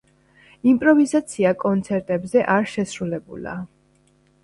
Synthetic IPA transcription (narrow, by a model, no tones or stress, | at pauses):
impʼɾɔvizat̪sʰiakʼɔnt̪sʰɛɾt̪ʼɛbzɛʔaɾʃɛsɾulɛbṵla̰